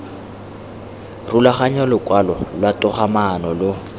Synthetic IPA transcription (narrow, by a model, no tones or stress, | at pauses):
rulaχaɲalʊkʼwalɔlwatʊχamanɔlʊ